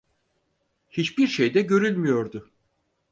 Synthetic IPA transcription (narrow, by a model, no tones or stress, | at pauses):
hit͡ʃbiɾʃejd̪ɛɟø̞ɾylʲmijo̞ɾd̪ʊ